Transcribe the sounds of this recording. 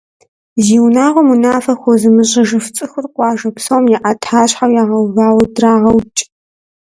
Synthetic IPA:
ziːwnaːʁʷɔmunaːfɐxʷɔzɨmɨɕʼɪʒɨft͡sʼɨxɨrqʷʼɑːʒɐpsɐwmjɛʔatʰħaːɕħawjaːʁɐwvaːwɐdraːʁɐwt͡ʃʼ

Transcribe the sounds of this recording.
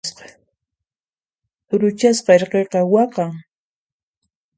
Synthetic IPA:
sqɑ̥ | ʊɾʊt͡ʃasqɑeɾqeqɑwɑqɑŋ

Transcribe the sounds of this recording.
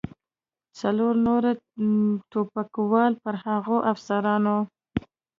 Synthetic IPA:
t͡saloɾnoɾa | t̪opakwɑlpəɾhaɣoʔafsaɾɑno

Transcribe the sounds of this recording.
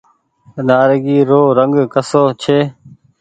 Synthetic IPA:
naːɾɡiːɾoːɾəŋɡkəsoːt͡ʃʰeː

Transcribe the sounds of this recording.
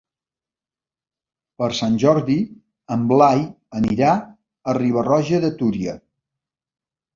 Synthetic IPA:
pəɾsanʲʒɔɾði | əmblaj | əniɾa | əriβ̞ərɔʒəðət̪uɾiə

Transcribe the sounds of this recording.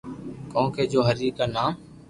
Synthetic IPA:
kõːkʰeːd͡ʒoːɦəɾiːkaːnãː

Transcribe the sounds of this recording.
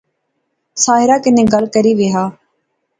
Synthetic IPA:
saːɦɪɾaːkɪnẽːɡəlkəɾiːʋɪːɦaː

